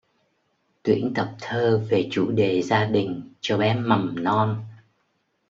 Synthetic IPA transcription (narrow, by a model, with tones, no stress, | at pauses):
t̪wḭ˧˥ənt̪ə˨˩p̚t̪ʰəː˧ve˨˩t͡ɕu˧˩ɗe˨˩zaː˧ɗï˨˩ŋ̟t͡ɕɔ˧ɓɛ˨˦˥mmːa˨˩mnɔ˧n